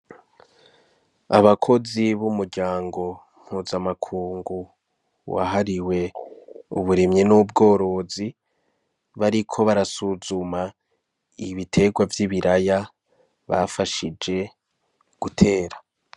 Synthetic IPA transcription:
a̰βakʰo̞ziβumuɾɟaːŋɡo̞ | m̥huzamakʰuːŋɡu | wa̰ɦaɾiwe̞ | ṵβuɾemɲinub̚ɡo̞ːɾo̞zi | βaɾikʰo̞βaɾasuzuma | iβitʰe̞ɡwavjiβiɾaja | βa̰faʃid͡ʒe̞ | ɡ̥utʰe̞ːɾa

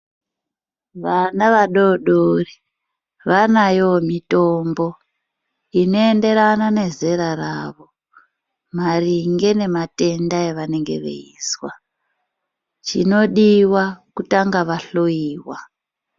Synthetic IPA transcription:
ʋanaʋaɗoɗori | ʋanajomito̞mbo̞ | ino̞e̞nde̞ɾanane̞ze̞ɾaraːʋo̞ | mariŋɡe̞ne̞mate̞ndaeʋane̞ŋɡe̞̰ʋḛḭswa | t͡ʃino̞ɗiwakutaŋɡaʋaɬoiːwa

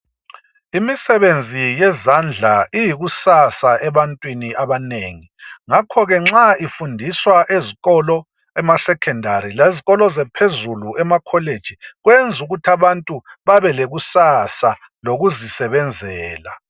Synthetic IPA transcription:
imisɛβend͡zʱijɛzand͡ɮʱaijiɣusasaʔɛβantʼwiniʔaβaneːŋiŋakʰɔɣɛŋ͡ǁaifundʱiswaʔeziɣɔlɔ | ɛmasɛkʰɛndʱaɾileziɣɔlɔzɛpʰezuluʔɛmakʰɔled̥ʒ̥ʱiɣwend͡zʱuɣutʰaβantʼuβaβɛleɣusasa | loɣuzisɛβɛnd͡zʱɛːla

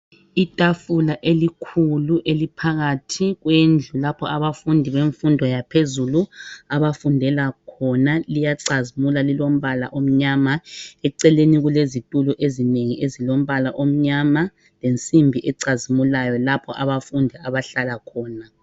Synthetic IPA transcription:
itʼafulaʔelikʰuluʔelipʰaɣatʰiɣwend͡ɮʱulapʰɔʔaβafundʱiβeɱfundʱɔjapʰezuluaβafundʱɛlakʰɔnalijaǀazimulalilom̩βala̰ʔom̩ɲamaɛǀɛleniɣulezitʼuluʔezineŋiʔezilom̩βalaʔom̩ɲama | lent͡sʼimbʱiʔɛǀazimulajɔlapʰɔ̰ʔaβafundʱiaβaɬalakʰɔːna

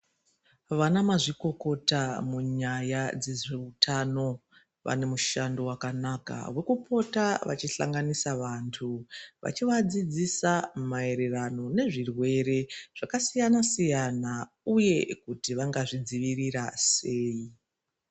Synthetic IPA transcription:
ʋanamaʐiko̞ko̞tamuɲajad͡ze̞ʐeutʰano̞ | ʋa̰ne̞muʃando̞wakanaka̰we̞kupʰo̞taʋa̰t͡ʃiɬa̰ŋɡanisaʋantʰuʋa̰t͡ʃiʋad͡zid͡zisamae̞ɾe̞rano̞ne̞ʐirwe̞ɾe̞ʐ̥akasijanasijana | uje̞kutiʋaŋɡaʐid͡ziʋirirase̞ːi

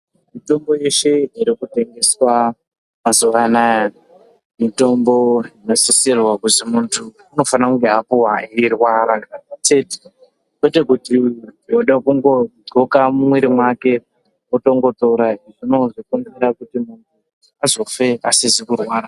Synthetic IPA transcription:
mito̞mbo̞je̞ʃe̞iɾikute̞ŋɡe̞swa | mazuʋanaja | mito̞mbo̞inosisirwakuzimuntʰuːno̞fanakuŋɡeapuwairwaɾat͡ʃe̞ti̥ | kwete̞kutiwoɗakuŋɡoɡʱokamumwiɾimwake̞ | uto̞ŋɡo̞toɾaiʐino̞ʐikunziɾakutimuntʰu | azo̞fe̞a̰sizikurwaːɾa

